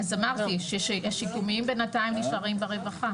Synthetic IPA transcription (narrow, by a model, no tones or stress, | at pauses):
azamaʁttiʃeʃehaʃikumiimbenataimniʃaʁimbeʁe̞vaχa